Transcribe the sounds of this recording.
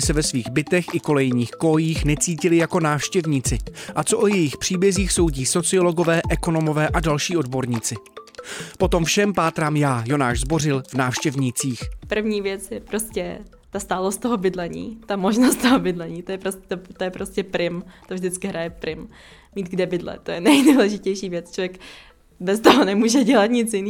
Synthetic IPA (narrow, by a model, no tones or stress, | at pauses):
ɪsɛvɛsviːɣbɪt̪ɛxʔɪko̞lɛjɲiːxko̞jiːxnɛt͡siːcɪlɪjako̞naːfʃcɛvɲiːt͡sɪʔat͡soʔojɛjɪxpr̥iːbjɛziːxso̞wɟiːso̞t͡sɪo̞lo̞ɡo̞vɛːʔɛko̞no̞mo̞vɛːʔadalʃiːo̞dbo̞ɾɲiːt͡sɪ | po̞t̪o̞mfʃɛmpaːt̪ɾaːmjaːjo̞naːʃzbo̞rɪlvnaːfʃcɛvɲit͡siːxpr̩vɲiːvjɛt͡sjɛpɾoscɛ | t̪ast̪aːlost̪t̪oɦobɪdlɛɲḭːt̪amoʒnost̪t̪oɦobɪdlɛɲiːt̪ojɛpɾost̪t̪ojɛpɾoscɛpɾɪmt̪ovʒdɪt͡skɪɦɾajɛpɾɪm | miːt̪ɡdɛbɪdlɛ̰t̪ojɛnɛjduːlɛʒɪcɛjʃiːvjɛt͡st͡ʃovjɛk | bɛst̪oɦonɛmuːʒɛɟɛlat̪ɲɪt͡sjɪni